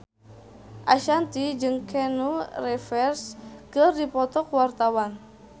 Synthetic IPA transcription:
ʔaʃant̪id͡ʒɨŋkʰɛnurɛfɛrskɨrdipɔt̪ɔkwart̪awan

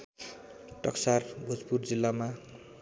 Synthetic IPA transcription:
ʈʌksarbʱud͡zpurd͡zilːama

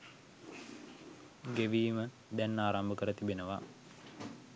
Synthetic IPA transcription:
ɡeʋiːmə | d̪ɛnːaːɾambəkəɾət̪ibenəʋa

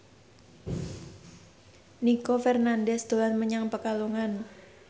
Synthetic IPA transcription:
nikofɛrnandɛsd̪o̤anməɲaŋpəkaluŋan

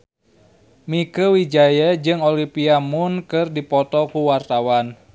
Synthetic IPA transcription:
mikəwid͡ʒajəd͡ʒɨŋolimpiamunkɨrdipɔt̪ɔkuwart̪awan

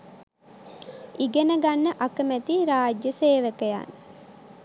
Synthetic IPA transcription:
iɡenəɡanːəʔakəmæt̪iɾaːd͡ʒjəseːʋək̪əja̰n

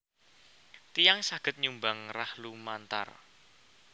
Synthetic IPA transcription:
t̪ijaŋsaɡ̥ət̪̚ɲumbaŋrahlumant̪a̰r

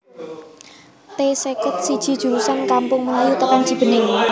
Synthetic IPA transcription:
t̪esekʊt̪̚sid̥ʒ̥i̤d̥ʒ̥ṳɾusankampʊŋməŋajut̪əkan̥d͡ʒ̥ib̥ə̤nɪŋ

